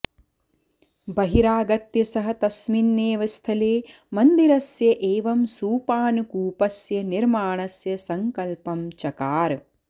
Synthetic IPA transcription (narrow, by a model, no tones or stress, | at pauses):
bɐɦiɾaːɡɐt̪jɐsɐɦɐt̪ɐsminːeːʋɐst̪ʰɐleː | mɐnd̪iɾɐsjɐʔeːʋɐmsuːpaːnukuːpɐsjɐniɾmaːɳɐsjɐsɐŋkɐlpɐmt͡ʃɐkaːɾ